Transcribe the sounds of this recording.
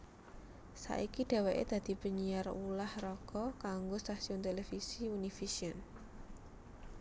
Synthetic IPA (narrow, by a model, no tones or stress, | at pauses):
sa̰ʔikiɖ̪̥e̤wɛʔḛd̪̥ä̤d̪̥i̤pəɲijarulahrɔɡ̥ɔkaŋɡost̪asiʊnt̪elefisiunifisiən